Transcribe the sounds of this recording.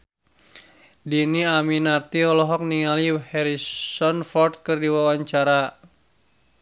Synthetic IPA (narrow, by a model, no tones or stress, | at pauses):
diniaminart̪iɔlɔɦɔk̚niŋalihɛɾissɔnfɔrt̪̚kɨrdiwawaɲt͡ʃaɾa